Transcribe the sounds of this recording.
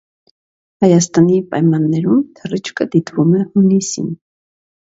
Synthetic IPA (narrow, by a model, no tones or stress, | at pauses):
hɑjɑst̪ɑnipɑjmɑnːɛɾumt̪ʰərit͡ʃʰkəd̪it̪vumɛhunisḭn